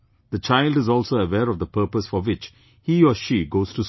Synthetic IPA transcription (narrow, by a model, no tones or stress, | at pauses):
d̪̥ət͡ʃaɪlɖɪzɔːlsoəwɛːɾɔvd̪əpəːpəsfɔwɪt͡ʃ | hiːɔʃiːɡoːz̥tus